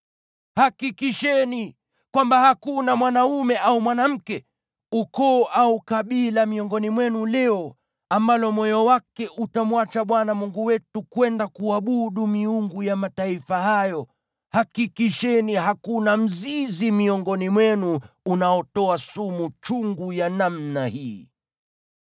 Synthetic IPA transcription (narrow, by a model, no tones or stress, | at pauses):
hakikiʃɛni | kwambahakunamwanaumɛʔaumwanam̩kɛ | ukɔːʔaukaɓilamiɔŋɡɔnimwɛnulɛɔ | ambalɔmɔjɔwakɛʔutamwat͡ʃaɓwanamuŋɡuwɛtukwɛndakuaɓuɗumiuŋɡujamataifahajɔ | hakikiʃɛniɦakunam̩zizimiɔŋɡɔnimwɛnuunaɔtɔasumut͡ʃuŋɡujanamnahiː